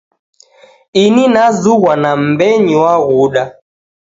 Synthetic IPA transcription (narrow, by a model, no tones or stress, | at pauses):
ininazuɣwanam̩bɛɲiwaɣuɗa